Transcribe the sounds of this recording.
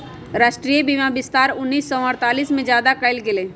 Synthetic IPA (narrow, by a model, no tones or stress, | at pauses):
ɾaːʃʈɾijəbiːmabɪst̪aːɾʊnːiːsːɔəɾt̪aːliːsmẽd͡ʒjaːd̪akəɪlkeleː